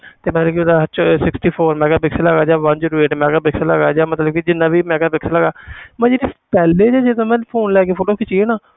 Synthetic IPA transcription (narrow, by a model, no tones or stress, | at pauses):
t̪eːmɛ̃ːkiod̪at͡ʃsɪksʈiːpʰoːɾmɛ̃ːɡaːbɪksləɡaːd͡ʒaːʋə̃nd͡ʒəɾeːʈmɛ̃ːɡaːbɪksləɡaːd͡ʒaːmət̪ləb̚kid͡ʒɪnːãːbiːmɛ̃ːɡaːbɪksləɡaːmɛ̃ːd͡ʒeːɾiːpɛːleːd͡ʒaːd͡ʒed̪õːmɛ̃ːpʰoːnlɛːkeːpʰoːʈoːkɪt͡ʃiːeːnaː